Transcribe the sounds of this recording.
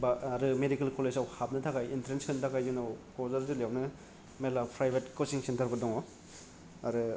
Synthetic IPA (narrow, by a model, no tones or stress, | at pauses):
baaɾɯmedikelkolesawhap̚nɯtʰakajintɾenskʰɯntʰakajzunowkozɐɾzɯlejawnɯ | melapɾajbetkosiŋsentɐɾbɐdɔŋɔ | aɾɯ